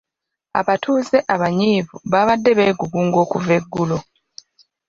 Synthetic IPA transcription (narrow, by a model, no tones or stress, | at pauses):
a̰βatʰuːze̞ʔaβaɲiːvuβaβadːe̞βeːɡuβuːŋɡo̞ːkuve̞ɡːulo